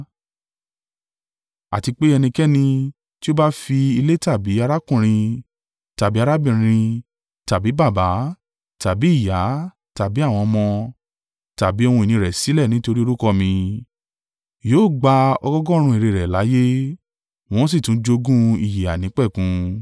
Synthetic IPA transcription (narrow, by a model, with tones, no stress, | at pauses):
a̰˨ti˧k͡pe˦ɛ˧nĩ˧kɛ˦nĩ˧ | ti˦o˦ba˦fi˧i˧le˦ta˦˨bi˨˦a˧ɾa˦kũ˦˨ɾ̃ĩ˧ | ta˨bi˨˦a˧ɾa˦bĩ˦˨ɾ̃ĩ˧ | ta˨bi˨˦ba˦˨ba˨˦ | ta˨bi˨˦i˦˨ja˨˦ | ta˨bi˨˦a˦˨w̃ɔ̃˧mɔ̃˧ | ta˨bi˨˦ɔ˦˧hũ˧e˨nĩ˧ɾɛ˨si˨˦lɛ˦˨nĩ˨˦to˧ɾi˦o˧ɾu˦kɔ˦mĩ˧ | joː˦˨ɡ͡ba˧ɔ˧ɡɔ˦ɡɔ˦˧ɾ̃ũ˧i˨ɾe˨ɾɛ˨la˨˦je˦ | w̃ɔ̃˦s̬i˦˨tũ˨˦d͡ʒo˧˦ɡũ˦i˦˨je˨a˨nĩ˨˦k͡pɛ˦˨kũ˧˦